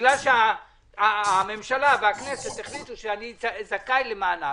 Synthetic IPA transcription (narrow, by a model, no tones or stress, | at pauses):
lalʃea | ame̞mʃalaveakneset̪eχlit̪uʃeanizazakajlemaːna